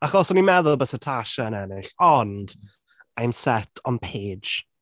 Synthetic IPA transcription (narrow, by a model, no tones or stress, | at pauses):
aχɔsɔnimɛðʊlˠbəsətʰaʃaənɛnɪɬɔnd̥ | ajmsɛtʰɔnpʰe̥ːd͡ʒ